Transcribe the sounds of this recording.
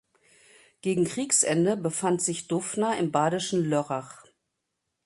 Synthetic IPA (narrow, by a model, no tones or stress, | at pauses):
ɡ̥eːɡŋ̩kʁ̥iːksʔɛndəbəfantz̥ɪçd̥ʊfnɐɪmbaːɾɪʃn̩lœʁaχ